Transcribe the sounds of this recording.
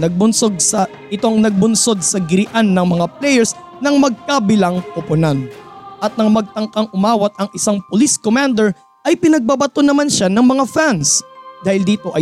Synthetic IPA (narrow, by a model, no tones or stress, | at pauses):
nɐɡ̚bʊnsoɡ̚sɐ | ʔɪt̪oŋnɐɡ̚bʊnso̞d̪̚sɐɡɪɾɪʔanːɐŋmɐŋaplɛjɛɹs | nɐŋmɐɡ̚kabɪlaŋʔʊpʊnanʔɐt̪̚nɐŋmɐɡ̚t̪ɐŋkɐŋʔʊmaːwɐt̪̚ɐŋʔɪsaŋpoliskomand̪ɛɹ | ʔɐjpɪnɐɡ̚babɐt̪onɐmanʃanɐŋmɐŋafansd̪aːhɪld̪iːt̪o̞ʔɐj